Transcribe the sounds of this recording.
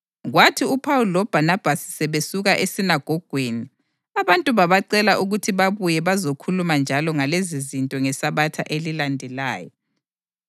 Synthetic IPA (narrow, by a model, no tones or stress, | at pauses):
ɣwatʰiupʰawulɔb̥ʱanab̥ʱasi̥sɛβesuɣaʔesinaɡ̥ʱɔɡ̥ʱweni | aβantʼuβaβaǀɛlaʔuɣutʰiβaβujɛβazokʰulumand͡ʒʱalɔŋalezizintʼɔŋɛsaβatʰa̰ʔelilandʱɛlaːjɔ̰